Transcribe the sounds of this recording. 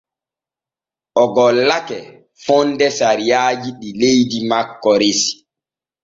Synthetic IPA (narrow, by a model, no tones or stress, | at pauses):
ʔɔɡɔlːakɛ | fɔndɛsaɾijaːd͡ʒiɗilejdimakːɔɾesi̥